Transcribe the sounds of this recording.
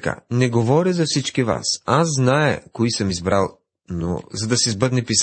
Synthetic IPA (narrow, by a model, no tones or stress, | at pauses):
ka̰nɛɡovɔɾʲɐzɐfsit͡ʃkiva̰sasːnaɛkoisəmizbɾalˠ | no̰zɐd̪ɐsizbɤd̪nɛpis